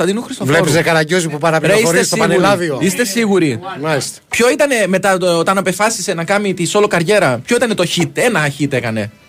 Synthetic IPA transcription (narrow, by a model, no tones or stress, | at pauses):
θɐðinuxɾist̪ovlepizekɐɾɐɲɟozipupɐɾɐpɾeisɾiesoiɐnelɐðioist̪e̞siɣuɾimɐist̪e̥pço̞it̪ɐne̞me̞t̪ɐot̪ɐnɐpefɐsise̞nɐkɐmit̪iso̞lokɐɾʝe̞ɾɐpço̞it̪ɐne̞t̪o̞çit̪e̞nɐçit̪e̞kɐne̞